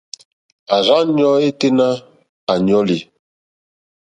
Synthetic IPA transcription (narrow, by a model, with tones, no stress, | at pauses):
a˨za˦ɲ˦ɔ˦e˦te˦na˦ | a˨ɲ˨ɔ˦li˨